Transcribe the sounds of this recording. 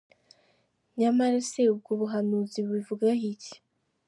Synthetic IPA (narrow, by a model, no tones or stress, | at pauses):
ɲamaɾaseub̚ɡoβuɦanuziβwivuɡahici̥